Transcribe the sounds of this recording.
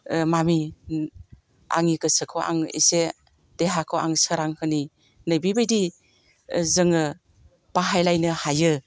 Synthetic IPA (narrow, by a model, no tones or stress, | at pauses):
mami | a̰ŋikɯsɯkʰoʔa̰ŋḭse | d̥eɦakʰoʔa̰ŋsəɾaŋhɯni | nɯjbibajdi | zɯŋɯ | b̥aɦajlajnɯhajɯ